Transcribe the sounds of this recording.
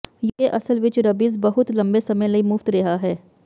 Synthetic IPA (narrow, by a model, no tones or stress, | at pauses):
jʔɐsəlʋɪt͡ʃɾɐbiːzbɐɦʊt̪lɐ̃mbesɐməjlɐimʊft̪ɾɐɦaɦɛː